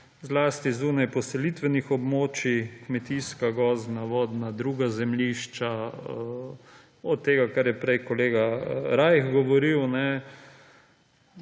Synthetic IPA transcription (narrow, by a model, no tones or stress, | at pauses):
zlaːst̪izuːnajpɔsɛliːt̪ʋɛnixɔbmoːt͡ʃikmɛt̪iskaɡɔzd̪naʋɔːd̪nad̪ɾuːɡazɛmljiʃt͡ʃa | ɔt̪ːeːɡakaɾjɛpɾɛjkɔleːɡaɾajxɡɔʋɔɾiwnɛ